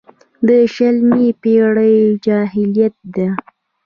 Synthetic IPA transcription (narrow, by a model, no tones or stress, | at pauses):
d̪əʃalmipeɽəjd͡ʒɑɦɪlijat̪̚d̪a